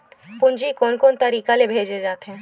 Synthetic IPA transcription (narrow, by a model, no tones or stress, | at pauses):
t̪pʊɲd͡ʒikoːnkoːnt̪ɐɾiːkalebʱeːd͡ʒed͡ʒaːt̪eɦɛ̃ː